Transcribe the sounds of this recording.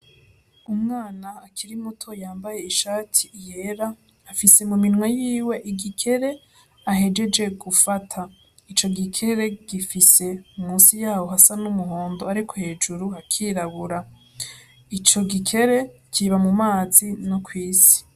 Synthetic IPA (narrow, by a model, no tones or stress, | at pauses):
umŋaːnaːkʰiɾimutʰo̞jaːmbaje̞iʃaːtʰijeɾaː | fise̞muminŋwejiːwe̞ʔiɡikʰe̞ɾe̞ | aɦe̞d͡ʒe̞d͡ʒe̞ɡufatʰa | it͡ʃo̞ɡikʰe̞ɾe̞ɡ̥ifise̞umuːsijaːwo̞ɦasanumuɦo̞ːndo̞aɾikʰo̞he̞ːd͡ʒuɾuhakʰiːɾaβuɾa | it͡ʃo̞ɡikʰe̞ɾe̞kʰiβamumaːzinokwiːsi̥